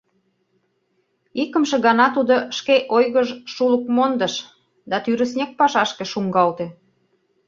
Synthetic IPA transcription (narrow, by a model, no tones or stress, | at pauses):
ikə̆mʃĕɣɑnɑt̪ud̪oʃkeʔojɣəʒʃulək̚mond̪ə̆ʃ | d̪ɑt̪yɾə̆snʲek̚pɑʃɑʃkeʃuŋɡɑlt̪e